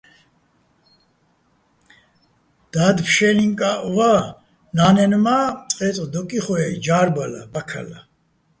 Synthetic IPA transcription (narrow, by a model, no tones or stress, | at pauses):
d̪̥ad̪pʰʃɛliŋkʼaʔva | nanɛnmat͡sʼqʼɛt͡sʼd̪ɔkʼiχwɛd͡ʒaːɾbala̰bakʰa̰la